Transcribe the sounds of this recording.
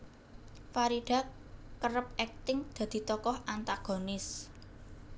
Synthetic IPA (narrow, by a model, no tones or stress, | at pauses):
faɾiɖ̪̥ä̤kː | əɾəp̚ɛk̚t̪ɪŋd̪̥ä̤d̪̥i̤t̪ɔkɔhʔant̪aɡ̥o̤nɪs